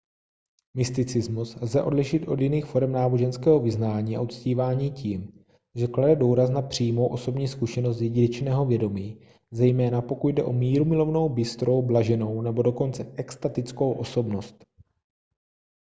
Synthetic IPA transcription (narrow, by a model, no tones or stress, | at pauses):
mɪst̪ɪt͡sɪzmuslzɛʔo̞dlɪʃɪt̪ʔo̞djɪniːxfo̞ɾɛmnaːbo̞ʒɛnskɛːɦo̞vɪznaːɲiːʔa̰ut̪t͡sciːvaːɲiːciːm | ʒɛkladɛduːɾas̬napr̝̥iːmo̞wʔo̞so̞bɲiːskuʃɛnost̪jɛɟɪnɛt͡ʃnɛːɦo̞vjɛdo̞miː | zɛjmɛːnapo̞kut̪̚dɛʔo̞miːɾumɪlo̞vno̞wbɪst̪ɾo̞wblaʒɛno̞wnɛbo̞do̞ko̞nt͡sɛʔɛkst̪at̪ɪt͡sko̞wʔo̞so̞bno̞st̪